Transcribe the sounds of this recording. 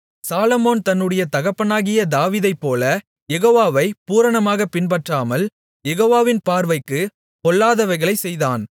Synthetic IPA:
saːlɐmoːnt̪ɐnːɯɽɐjɐt̪ɐɣɐpːɐnaːɣɪjɐd̪aːʋiːðɐɪpːoːlɐ | jɛɣoːʋaːʋɐɪpuːɾɐɳɐmaːɣɐpɪnpɐʈraːmɐl | jɛɣoːʋaːʋɪnpaːɾʋɐɪkːɯ | kɔlːaːðɐʋɐɪɣɐɭɐɪsɛjðaːn

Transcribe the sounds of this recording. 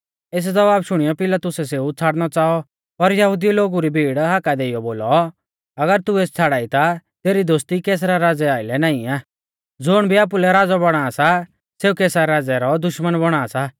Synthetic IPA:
eːs̬d͡zɐbaːbʃʊɽ̃ijɔpɪlaːt̪ʊsɛseːut͡sʰaːɽñɔt͡saːɔ | pɐɾjɐɦʊd̪iloːɡuɾibʱiːɽɦaːkad̪eːɪjɔboːlɔ | ɐɡəɾt̪ueːst͡sʰaːɽaːit̪at̪eːɾid̪oːst̪ikeːs̬ɾaɾaːd͡zɛaːɪlɛnaːĩaː | d͡zʊːɽ̃bʱiaːp̬ulɛɾaːd͡zabɐɽ̃aːsa | seːukeːsaɾaːd͡zɛɾɔd̪ʊʃmənbɔɽ̃aːsa

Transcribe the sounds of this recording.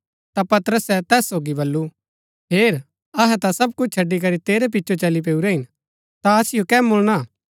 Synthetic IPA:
t̪apɐt̪əɾəsɛt̪ɛːsːoːɡibɐlːu | ɦeːɾ | ɐɦɛt̪asɐb̚kʊt͡ʃʰt͡ʃʰɐɖːik̬ɐɾit̪eːɾep̬ɪtːʃʰot͡ʃɐlip̬eːuɾɛɦɪn | t̪aɐsɪjokɛːmʊɭɽ̃a

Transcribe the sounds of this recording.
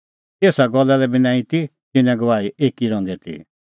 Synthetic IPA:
t̪eːsaɡɔlːalɛbɪnãːĩt̪i | t̪ɪnɛ̃ɡɐʋaːieːkiɾɔ̃ŋɡɛt̪ʰḭ

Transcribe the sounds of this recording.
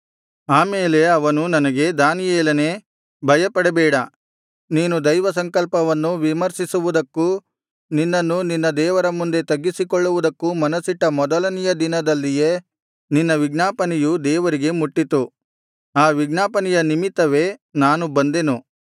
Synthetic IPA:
aːmeːle̞ɐʋɐnunɐnɐɡe̞d̪aːnijɛːlɐneː | bʱɐjɐpɐɽebɛːɽɐ | niːnud̪ɐjʋɐsɐŋkɐlpɐʋɐnːuʋimɐɾsisuʋud̪ɐkːu | ninːɐnːuninːɐd̪ɛːʋɐɾɐmund̪e̞t̪ɐɡːisikɔɭːuʋud̪ɐkːumɐnɐsiʈːɐmɔd̪ɐlɐnijɐd̪inɐd̪ɐlːije | ninːɐʋiɡnaːpɐnijud̪ɛːʋɐɾiɡe̞muʈːit̪u | aːʋiɡnaːpɐnijɐnimit̪ːɐʋe̞naːnubɐnd̪e̞nu

